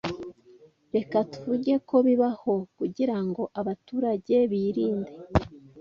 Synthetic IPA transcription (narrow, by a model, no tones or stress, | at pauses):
ɾe̞katu̥vuɾɟe̞ko̞βiβaho̞kuɟiɾaŋɡo̞ʔaβatuːɾaɟe̞βiːɾiːnde̞